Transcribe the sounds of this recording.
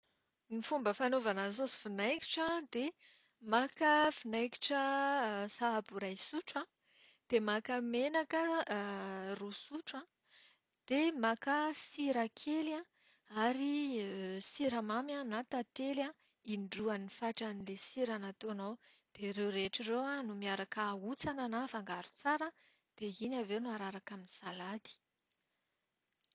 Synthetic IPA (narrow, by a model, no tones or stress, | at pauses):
nifumbəfanovanasosi̥finajki̥ʈ͡ʂãd̪e | makafinajki̥ʈ͡ʂəsaabuɾajsuʈ͡ʂã | d̪̥emakamenakə | rusuʈ͡ʂã | d̪̥emakasiɾakʰelã | aɾi | siɾəmamjanat̪at̪ela | iɳɖ͡ʐuanifaʈ͡ʂanilesiɾanat̪onowd̪̥eɾewɾeʈ͡ʂirewanumiaɾakaut͡sananafaŋɡaɾu̥t͡saɾə | d̪̥einavenuaɾaɾakaminisalad̪i̥